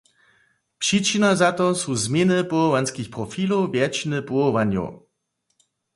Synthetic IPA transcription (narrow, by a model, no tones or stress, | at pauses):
pʂit͡ʃinazat̪ɔsuzmjɛnɨpuɔvanskʲixpʁɔfilowvjɛt͡ɕinɨpuɔvaɲjo̰w